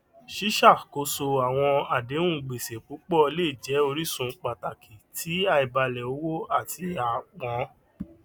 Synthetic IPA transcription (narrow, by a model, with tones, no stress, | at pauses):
ʃi˦ʃa˦˨ko˧so˧a˨w̃ɔ̃˧a˨dẽ˨˦ũ˦˨ɡ͡be˨se˨k͡po˨˦k͡pɔ˦˧le˦˨d͡ʒɛ˨˦o˧ɾi˦sũ˧k͡pa˨ta˨kʰi˨tʰi˨˦a˧i˨ba˧lɛ˨o˦wo˦a˦˨ti˧a˨k͡pɔ̃˨˦